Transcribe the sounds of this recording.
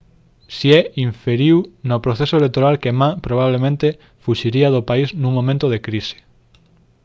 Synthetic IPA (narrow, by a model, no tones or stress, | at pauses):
siɛiɱfeɾiwnopɾoθesoelek̚t̪oɾalkemapɾoβ̞aβ̞lemẽnt̪e | fuʃiɾiaðopaisnũŋmõmẽnt̪oðekɾise̥